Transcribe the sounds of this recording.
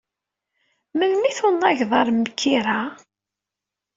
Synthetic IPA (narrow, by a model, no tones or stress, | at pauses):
məlmiθʊnːɑʝðˤɑɾˤmːəkʰːiɾa